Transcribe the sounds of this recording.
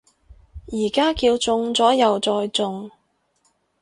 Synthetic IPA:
jiː˨˩kaː˥kiː˧wt͡sʊ˧ŋt͡sɔː˨˥jɐ˨wt͡sɔː˧jt͡sʊ˧ŋ

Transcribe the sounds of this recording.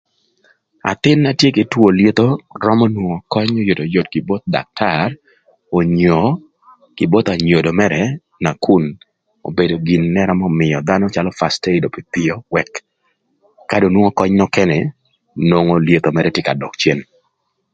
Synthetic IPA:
a̰˨t̪ɪ˦nːa˦tje˦kɪ˨two˨lje˦t̪o˦ɾɔ˦mɔ˦nwo˨ŋɔ˨kɔ˦ɲo˦jo˨to˨jo˨tkɪ˨bo˦t̪̚da̰˨k̚tʰar | o˨ɲo˨ | kɪ˨bo˦t̪a˨ɲo˨do˨mɛ˦ɾɛ | na˨ku˦n | o̰˨be˨do˨ɡi˨nːɛ˦ɾa˦mɔ˦mɪ˨ɔ˨d̪a˦nɔ˦t͡ʃalɔ˦fa˨ste˦ɪdo˨pi˨t̪ɪɔ˦wɛ˨k | a˦do˨nwo˦ŋo˦kɔ˦ɲnɔ˦kɛnɛ˨ | no˨ŋo˦lje˦t̪o˨mɛɾɛtje˦ka˨dɔ̰˨k̚t͡ʃje˦n

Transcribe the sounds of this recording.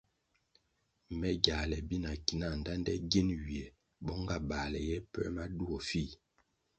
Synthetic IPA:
mɛ˦ɡa˨lɛ˨bi˦na˨ki˨na˦˨n˨da˦ndɛ̰˦ɡi˦nɥi˨ɛ˨ | bɔ˦ŋɡa˦˨ba˨lɛ˨jɛ˦pɛ̰˦ma˦du˦ɔ˨fi˦˨

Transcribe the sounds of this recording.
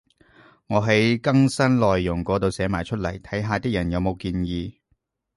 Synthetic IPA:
ŋɔː˨˧ɦɐ˨˥jkɐ˥ŋsɐ˥nlɔː˨jːʊ˨˩ŋkɔː˨˥t̪o˨˧wsɛː˨˥maː˨˩jt͡ʃʰɵ˥t̚lɐ̰˨˩jt̪ʰɐ˨˥jɦaː˧t̪iː˥k̚jɐ˨˩njɐ˨˧wmo˨˧wkiː˧njiː˧

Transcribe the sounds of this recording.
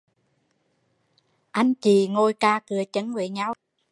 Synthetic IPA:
ʔa˧jŋ̟t͡ɕi˨˩ŋo˧jkaː˧kɨ˨˩˦ət͡ɕə˨˦nve˧˩ɲa˧w

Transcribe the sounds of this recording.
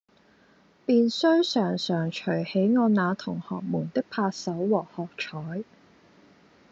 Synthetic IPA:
piː˨˧nsɵ˥ɥsœː˨˩ŋsœː˨˩ŋt͡ʃʰɵ˨˩ɥhe˨˥jŋɔː˨˧naː˨˧t̪ʰʊ˨˩ŋhɔː˨k̚muː˨˩nt̪ɪ˥k̚pʰaː˧k̚sɐ˨˥wːɔː˨˩hɔː˨k̚t͡ʃʰɔː˨˥j

